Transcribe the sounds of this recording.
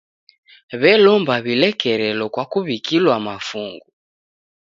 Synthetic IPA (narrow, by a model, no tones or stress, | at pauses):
βɛlɔmbaβilɛkɛɾɛlɔkwakuβikilwamafuŋɡu